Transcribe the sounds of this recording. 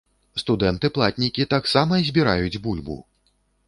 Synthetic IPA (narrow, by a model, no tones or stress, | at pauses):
st̪ud̪ɛnt̪ɨplˠat̪ʲnʲikʲit̪aksamɐzʲbʲiɾajud͡zʲbulʲbṵ